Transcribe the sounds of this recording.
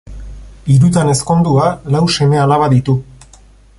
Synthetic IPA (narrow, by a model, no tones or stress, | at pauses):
iɾut̪ane̞sko̞nd̪ualawse̞me̞alaβaðit̪u